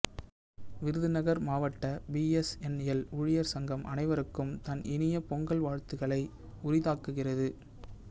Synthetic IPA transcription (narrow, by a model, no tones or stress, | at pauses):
ʋɪɾɯðɯnɐɣɐɾmaːʋɐʈːɐbiɛsɛnɛlʊɻɪjɐɾsɐŋɡɐmʔɐ̰nɐɪʋɐɾɯkːɯmt̪ɐnʔɪnɪjɐpɔŋɡɐɭʋaːɻt̪ɯɣɐɭɐɪ | ʊɾɪðaːkːɯɣɪrɐðɯ